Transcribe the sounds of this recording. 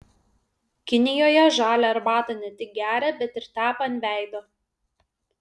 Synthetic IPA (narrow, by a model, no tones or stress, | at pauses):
kʲɪnʲɪjoːjɛʒɑːlʲɛɐɾbɑːt̪ɐnʲɛt̪ʲɪk̚ɡʲæːɾʲɛbʲɛt̪ɪɾt̪ʲæːpɐɐnʲʋʲæˑɪd̪oː